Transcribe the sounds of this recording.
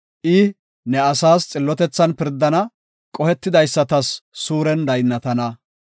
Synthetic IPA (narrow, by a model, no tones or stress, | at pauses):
ʔɪ | nɛɐsaːst͡sʼɪlːɔt̪ɛt͡sːɐnpɪɾd̪ːɐnɐ | kʼɔhɛt̪ːɪd̪ɐjsːɐt̪ɐsːuːɾɛnd̪ɐjnːɐt̪ɐnɐ